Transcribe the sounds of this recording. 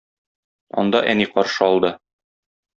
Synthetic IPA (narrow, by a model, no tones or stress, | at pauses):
ɒ̰nd̪ɑʔæniqɒɾʃɤɒlˠd̪ɤ